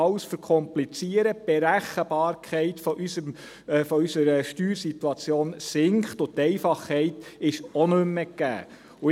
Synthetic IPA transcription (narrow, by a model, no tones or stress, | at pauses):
ɑʊsfəɾkʰɔmplit͡siəɾəb̥eɾæχəb̥ɑːɾkʰɛɪt̪fɔʔysəm | fɔysəɾəʃtyːɾsit̪ːuɑt͡sjoːnsɪŋkχt̪ʊt̪ɛɪfɑχhɛɪtɪʃɔnømːəkːæ̰ː | ʊ